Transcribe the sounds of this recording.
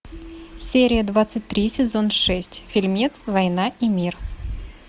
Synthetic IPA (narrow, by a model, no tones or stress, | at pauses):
sʲeɾʲɪjəd̪vat̪sɨt̚ʲt̪ɾʲisʲɪzo̞nʂɛsʲtʲfʲɪlʲmʲit̪svɐjnaimʲir